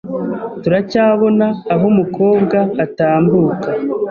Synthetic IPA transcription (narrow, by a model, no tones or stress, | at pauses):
tuɾacaːβo̞naːɦumuko̞ːbɡaːtaːmbuːka